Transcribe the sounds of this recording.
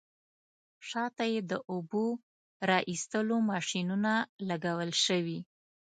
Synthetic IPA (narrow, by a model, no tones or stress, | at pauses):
ʃɑt̪ajed̪əʔubo | ɾɑʔist̪əlomɑʃinunalaɡawəlʃəwi